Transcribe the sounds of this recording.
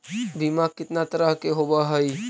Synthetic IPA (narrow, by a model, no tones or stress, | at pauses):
bimakɪt̪nat̪əɾaɦkeɦobaɦəi